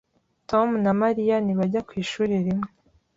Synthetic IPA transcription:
tomunamaɾijaniβaɟakwiːʃuːɾiɾimŋe

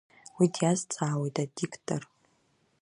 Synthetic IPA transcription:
widjazt͡sʰʼaːwejtʼadikʰtʰʼo̰r

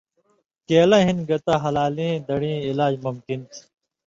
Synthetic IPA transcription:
keːlɐ̃ɦinɡɐt̪aɦɐlaːlĩd̪ɐɽĩːilaːd͡ʑmumkint̪ʰ

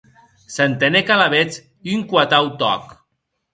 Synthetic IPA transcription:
sant̪enekalaβet͡s | iyŋkwat̪awt̪ɔ̰k

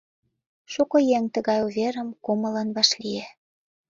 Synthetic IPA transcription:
ʃukojeŋt̪ə̆ɣɑjuβʲeɾə̆mkomɤ̆lɑnβɑʃlije

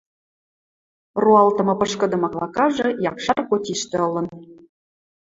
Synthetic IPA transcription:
ruɑlt̪ɤ̆mɤpɤ̆ʃkɤ̆d̪ɤ̆mɑklˠɑkɑʒɤ̆jɑkʃɑrkot̪ʲiʃt̪ĕɤ̆lɤ̆n

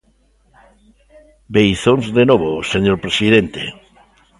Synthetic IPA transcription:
bejθõnzðenoβoseɲoɾpɾesiðent̪ḛ

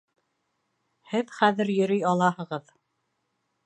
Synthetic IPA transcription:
hɘðχæðɘɾjɵ̆ɾɵjɑlˠɑhɤ̆ʁɤð

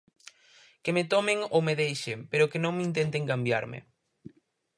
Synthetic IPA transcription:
kemet̪ɔmeŋowmeðejʃepeɾʊkenõŋmint̪ent̪eŋkambja̰ɾmɪ̰

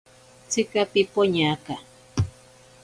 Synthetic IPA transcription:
t͡sɪkapɪpoɲaka

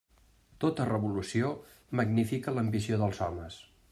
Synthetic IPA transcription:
t̪ot̪ərəβulusio | məɡnifikələmbisioðəlˠzɔməs

